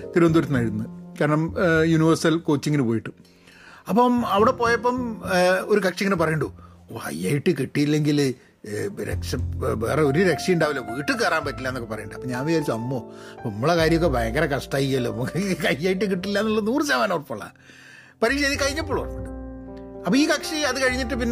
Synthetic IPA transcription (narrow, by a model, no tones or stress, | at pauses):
t̪iɾuʋɐnd̪uɾɐt̪ɨnɐjɾunːɨkaːɾɐɳɐmjuniʋɐrsisɐlko̞ːt͡ɕːiŋɡɐnɨpo̞ːjiʈːɨ | ɐpːɐmɐʋiɽepo̞ːjɐpːɐmoɾukɐkʂɐŋːɐnɨp̬ɐrɐjuɳɖuɐ̰jaːjiʈːɨkiʈːilːe̞ŋɡil | ɾekʂɐʋḛːreo̞ɾuɾekʂijuɳɖaːʋilːoʋuːʈːɨkeːraːnpɐtːilːaːenːokːepɐrɐjeɳɖɨɐpːoɲaːnʋiaːɾit͡ɕːuɐmːoːɐpːomɐmːuɭɐkaːɾjɐmokːebʱɐjɐŋɡɐɾɐkɐʂʈaːjikːɐːlːomukːkɐjːaːjiʈ̬ːɨkiʈːilːaːnːuɭːɐnuːrt͡ɕaːmaːnɐorpːɐɭːa̰ | pɐɾiːʂeðikɐɻiɲːɐpːoːɭupɐrɲːuɖɨ | ɐpːoiːkɐkʂiɐðɨkɐɻiɲːiʈːɨp̬inː